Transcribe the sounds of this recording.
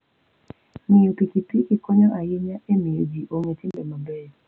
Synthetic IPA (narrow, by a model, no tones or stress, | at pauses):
nɪopikipikɪkɔɲɔʔajɪɲaʔemiod͡ʒiʔoŋetibemabɛ